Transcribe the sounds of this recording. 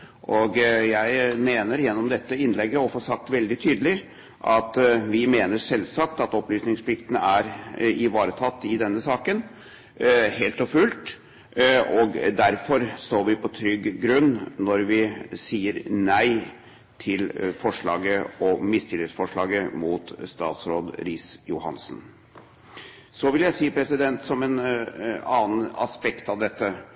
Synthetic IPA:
ʔɔɡjæɪmeːnəɾjɛnːɔmd̪ɛt̪ːəɪnlɛɡːəɔfoːʂɑk̚t̪ʋɛld̪ɪt̪ʰyːd̪əlɪ | ʔɑt̪ʋɪmeːnəʂɛlsɑk̚t̪ɑt̪ɔplyːsnɪŋspʰlɪkt̪ənəæɾɪʋɑːɾət̪ʰɑt̪ːɪd̪ɛnːəsɑːkən | heːlt̪ɔfʉːlt̪ | ɔɡd̪æɾfɔɾst̪oːɾʋɪpʰɔt̪ʰɾʏɡːɾʉnːnɔɾʋɪsiːəɾnæɪ | t̪ʰɪlfɔʂɭɑ̰ːɡəɔmɪst̪ʰɪlɪsfɔʂɭɑːɡəmuːt̪st̪ɑ̰ːt̪sɾoːd̪ɾiːsjʊhɑ̰nsn | sɔʋɪljæɪsiːpʰɾɛsɪd̪ɛnt̪sɔmɛn | ɑːn̩ɑ̰spɛkt̪ɑʋd̪ɛt̪ːə

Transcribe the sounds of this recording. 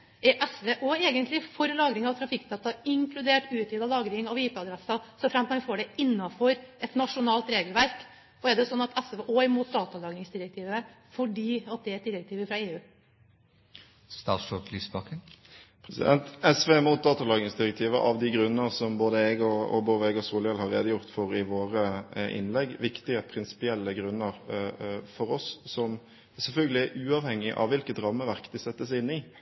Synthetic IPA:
ɛɾʔɛsʋeːʔoːeːɡənt̪lɪfɔɾlɑːɡɾɪŋɑʋt̪ʰɾɑfɪkːd̪ɑːt̪ɑɪŋklʉd̪eːʈʉːt̪iːd̪ɑlɑːɡɾɪŋɑʋiːt̪əɑd̪ɾɛsɑsɔfɾɛmt̪ɑfoːɖɛɪnːɑfɔɾɛt̪nɑʂʊnɑːlt̪ɾeːɡəlʋæɾk | ɔæɖɛsɔnːɑt̪ʰɛsʋeʔoːɪmuːt̪̚d̪ɑːt̪ɑlɑːɡɾɪŋsd̪ɪɾək̚t̪ʰiːʋə | fɔɖiːɑt̪̚d̪ɛæɾɛt̪̚d̪ɪɾək̚t̪iːʋəfɾɑeːʉː | st̪ɑ̰ːʂɔkliːsbɑkənpʰɾɛsɪ̰d̪ɛnt̪ɛsʋeːmʊːt̪̚d̪ɑːt̪ɑlɑːɡ̪ɪŋsd̪ɪɾək̚t̪ʰiːʋə̰ʔɑ̰ʋd̪iɡɾʉnːəʁsɔmboːd̪əɛɡɔɔ̰boːd̪əɛɡɔsuːləjɛlhɑɾːḛːd̪əjʊʁt̪fɔɾɪʋoːɾəʔɪ̰nlɛɡːʋɪkt̪ɪəpʰɾɪnsɪ̥pɪɛlːəɡɾʉnːəɾ | fɔɾɔsːɔm | sɛlfœlɡəlɪæʉːɑʋhɛŋːɪʔɑ̰ʋʋɪlkət̪ɾɑmːəʋæʁkd̪ɪsɛt̪ːəsɪnːɪ

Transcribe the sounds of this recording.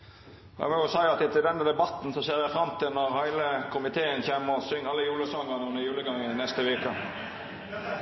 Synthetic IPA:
æ̰mɔjʊsæɪɑt̪ɪt̪ɪld̪ɛnːəd̪ɛbɑt̪n̩sɔseːʁjæɪfɾɑmt̪ʰɪlnɔʁhæɪləkʰʊmɪt̪ʰeːənçemːəɔsʏŋːɑlːəjuːləsɔŋəʁnəʉnəjʉːləɡɑŋːənɛst̪əʋeːkə

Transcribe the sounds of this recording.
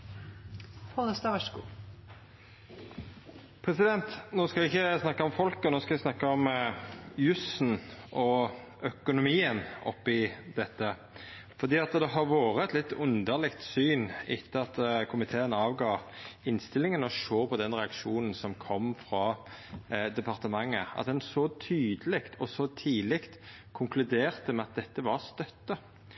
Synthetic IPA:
fɔd̪əst̪ɑʋæʃkuː | pʰɾɛsɪd̪ɛnt̪noːskɑʋɪɪçːəsnɑkːəɔmfɔlkɔnoːskɑʋɪsnɑkːəɔm | jʉsnʔɔ | œkʊnʊmiːənɔ̰pːɪd̪ɛt̪ːə | fɔɾd̪iːɑt̪d̪ɛɦɑɾʋoːɾəɛt̪lɪt̪ːʊnd̪əlɪkt̪syːnɪt̪ʰːəɑt̪kʰʊmɪt̪ʰeːənɑːʋɡɑːɪnst̪ɪlɪŋənɔʃoːpʰɔd̪ɛnʁɛɑkʂuːnn̩sɔmkʰɔmːfʁɑ | d̪ɛpʰɑʁt̪əmɑŋːəɑ̰t̪d̪ɛnsɔt̪ʰyːd̪əlɪkt̪ʰɔsɔt̪ʰiːlɪkt̪ | kʰʊŋklʉd̪eːʁt̪əmɛɑt̪̚d̪ɛt̪ːəʋɑɾst̪œt̪ːə

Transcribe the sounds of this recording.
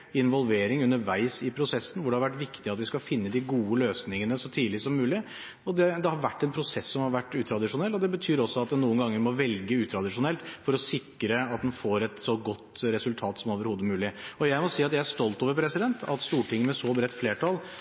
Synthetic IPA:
ɪnʋɔlʋeːɾɪŋʉnːəɾʋæɪsɪpʰɾʊsɛsːən̩ʋʊɖɛhɑɾʋæʈ̬ːʋɪkt̪ɪɑt̪ʋɪskɑfɪnːəd̪ɪɡuːəløːsnɪŋənəsɔt̪ʰiːlɪsɔmːʉːlɪ | ɔd̪ɛd̪ɛhɑɾʋæʈːɛnpʰɾʊsɛsːɔmhɑɾʋæʈːʉːt̪ʰɾɑd̪ɪʂʊnɛlːɔd̪ɛbət̪ʰyːɾɔsːɔɑt̪̚d̪ɛnuːənɡɑŋːəɾmɔʋɛlɡəʉːt̪ʰɾɑd̪ɪʂʊnɛlt̪fɔɾɔsɪkːɾəɑt̪̚d̪ɛnfoːɾɛt̪sɔɡɔt̪ːɾɛsʉlt̪ʰɑːt̪sɔmoːʋəɾhuːd̪əmʉːlɪɔjæɪmɔsiːɑt̪jæɪæʂt̪ɔlt̪oːʋəɾpʰɾɛsɪd̪ɛnt̪ʰɑ̰t̪st̪uːʈɪŋːəmɛsɔbɾɛt̪ːfleːʈʰɑl

